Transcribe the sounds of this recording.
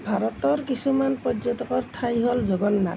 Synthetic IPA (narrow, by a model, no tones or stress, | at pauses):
bʱaɾɔt̪ɔɹkisumanpɔzɔtɔkɔɹtʰajɦolzɔɡɔnːa̰